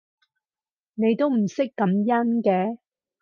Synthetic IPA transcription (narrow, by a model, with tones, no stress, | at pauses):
ne˨˧jt̪o˥wm̩˨˩sɪ˥kːɐ˨˧mjɐ˥nkɛː˧